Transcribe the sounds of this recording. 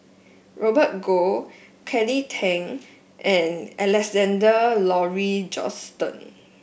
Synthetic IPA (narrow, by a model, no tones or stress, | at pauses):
ɹɔbət̚ɡo | kʰɛlitʰɛ̃ŋ | ʔɛ̃nɛlɛksɛ̃ndəlɔɹid͡ʒɔ̰stə̰̃n